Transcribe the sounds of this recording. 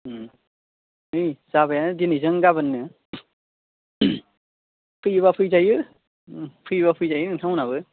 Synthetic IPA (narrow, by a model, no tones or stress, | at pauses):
ɯjz̥aβajanɯdinizɯŋɡaβɯnːɯ | pʰɯjβapʰɯjzajɯ | pʰɯjβapʰɯjzajɯɯŋtʰaŋwnaβɯ